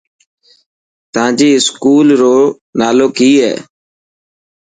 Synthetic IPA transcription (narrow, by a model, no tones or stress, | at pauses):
t̪əãːd͡ʒiːɪskuːlɾoː | naːloːkiːɦɛ̰ː